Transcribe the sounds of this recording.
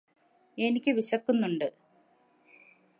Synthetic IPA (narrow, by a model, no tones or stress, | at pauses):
e̞nikʲːɨʋiɕɐkːunːuɳɖɨ